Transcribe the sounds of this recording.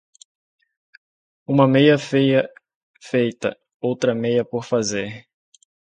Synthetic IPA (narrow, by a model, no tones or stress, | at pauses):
ũmɐmejɐfejɐ | fejt̪ɐ̰ | owt̪ɾɐmejɐpoɾfazeɾ